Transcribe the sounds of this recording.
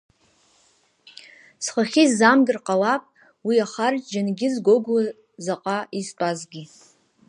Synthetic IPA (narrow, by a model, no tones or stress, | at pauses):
sχaχʲizamɡʲɪrqʼawapʼ | wiaχarʼd͡ʒanɡʲɪzɡʷoɡwa | zaqʼaistʼazɡʲi